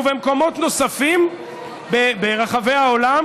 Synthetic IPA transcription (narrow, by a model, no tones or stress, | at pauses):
vemko̞mo̞tno̞safim | bebeʁaχave̞jaolam